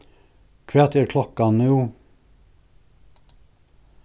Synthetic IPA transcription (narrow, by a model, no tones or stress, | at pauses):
kʰʋeːt̪ʰeːɾkʰlɔkɑnuː